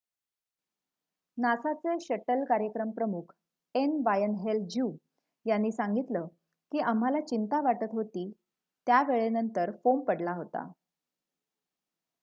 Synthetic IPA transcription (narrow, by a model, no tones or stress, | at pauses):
nasat͡seɕəʈəlkaɾjəkɾəmpɾəmukʰ | enbajənɦeld͡ʑuː | janːiːsaŋɡit̪ləː | kiːʔam̤alat͡ɕint̪aʋaʈət̪ɦot̪iː | t̪jaʋeɭenənt̪əɾfompəɽlaɦot̪a̰